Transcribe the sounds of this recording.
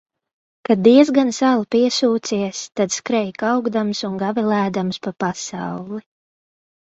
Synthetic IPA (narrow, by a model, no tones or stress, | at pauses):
kad̪iɛzɡansalˠpiɛsuːt̪siɛst̪ad̪skɾɛjkawɡd̪amsuŋɡavɛlæːd̪amspapasa̰wlˠi